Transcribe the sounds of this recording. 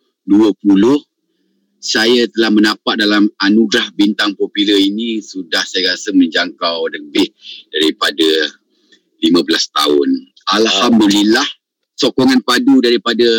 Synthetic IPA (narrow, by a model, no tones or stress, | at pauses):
duəpulʊh | sajat̪əlahmənapaʔ̪̚dalamanuɡɾahbint̪aŋpopiləinĩsudahsajaɾasəməɲd͡ʒaŋkawləbɪhdaɾipada | limabəlast̪a̰ʊ̰n | alhamdulilah | sokɔŋanpadudaɾipada